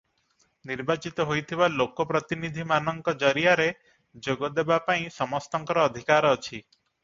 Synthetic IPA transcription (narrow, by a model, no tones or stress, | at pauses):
niɾbat͡ʃit̪ɔɦojt̪ʰibalokɔpɾɔt̪inid̪ʱimanɔŋkɔd͡ʒɔɾiaɾe | d͡ʒoɡɔd̪ebapaĩsɔmɔst̪ɔŋkɔɾɔːd̪ʱikaɾːt͡ʃʰi